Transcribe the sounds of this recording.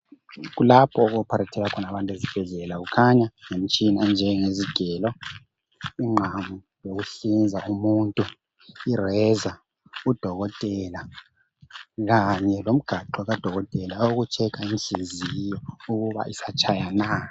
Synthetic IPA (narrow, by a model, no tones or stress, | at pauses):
ɣulapʰɔɣɔpʰaɾatʰɛɣakʰɔnaβantʼezib̥ʱɛɮɛlaɣukʰaɲaŋem̩t͡ʃʼiniɛnd͡ʒʱɛŋeziɡ̥ʱɛːlɔ | iŋ͡ǃʱamu | joɣuɬind͡zʱaʔumuːntʼu | irɛza | ud̥ʱɔɣɔtʼɛla | ɣaɲɛlom̩ɡ̥ʱaǃɔɣad̥ʱɔɣɔtʼɛlaoɣut͡ʃʰɛkʰainɬizijɔuɣuβa̰ʔisat͡ʃʰʼajana